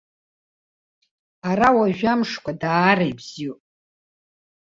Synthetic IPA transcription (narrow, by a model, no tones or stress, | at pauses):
arawaʒᶣamʂkʷʰadaːɾejbz̥i